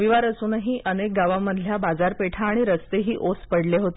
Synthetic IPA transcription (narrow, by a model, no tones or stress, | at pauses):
ʋiʋaɾəsuːnɦiːʔənek̚ɡaʋãmːəd̪ʱljabad͡zaɾpeʈʰaːɽ̃iɾəst̪eɦiːʔospəɽleɦot̪e